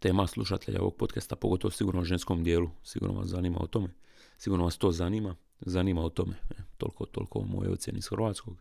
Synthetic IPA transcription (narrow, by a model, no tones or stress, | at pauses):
t̪e̞ːmaslˠuʃat̪ʰeʎʔa̰oʋo̞̰ɡ̚po̞t̪kest̪apoɡo̞t̪o̞ʋosiɡuːɾnoʒensko̞md̪je̞ːlusiɡṵːɾno̰ʋa̰szaniːma̰ṵt̪o̞me | siɡuɾnoʋast̪o̞ːzaniːma | zaniːmaut̪omet̪o̞̰lkʰot̪o̰ːlko̰mojojot̪sʲje̞niisxrʋaːt̪sko̞ɡ